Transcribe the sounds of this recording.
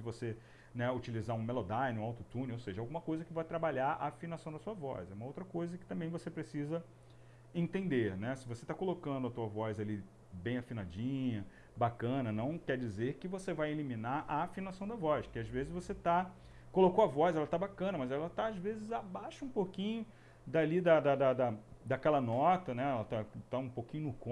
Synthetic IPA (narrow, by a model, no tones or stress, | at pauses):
d͡ʒɪvose | nɛut͡ʃilizaɾũmelod̪ajnɪũawt̪ut̪ũnowseʒɐawɡũmɐkojzɐkɪvajt̪ɾabaʎaɾa̰afinasɐ̃w̃d̪ɐsuɐvɔ̰sɛũmɐowt̪ɾɐkojzɐkɪ̥t̪ɐ̃mbẽj̃vosepɾesizɐ | ẽnt̪ẽnd̪eɾnɛsɪvoset̪akolokɐ̃nd̪ʊɐt̪uɐvɔzali | bẽj̃afinad͡ʒĩɲɐ | bakɐ̃nɐnɐ̃w̃kɛɾd͡ʒizeɾkɪvosevajeliminaɾʔɐafinasɐ̃w̃d̪ɐvɔʃkɪazvezɪzvoset̪a | kolokoɐvɔzɛlɐt̪abakɐ̃nɐmɐzɛlɐt̪aazvezɪzabajʃɐũpokĩɲʊ | d̪alid̪ɐd̪ɐd̪ɐd̪ɐd̪ɐkɛlɐnɔt̪ɐnɛɛlɐt̪at̪aũpowkĩɲʊnʊkõ